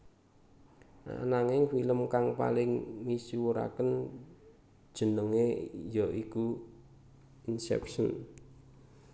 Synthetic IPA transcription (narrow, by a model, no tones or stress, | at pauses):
a̰naŋɪŋfiləmkaŋpa̰lɪŋmisiwəɾa̰kən | d̥ʒ̥ə̤nəŋejɔiku | insɛ̰psə̰n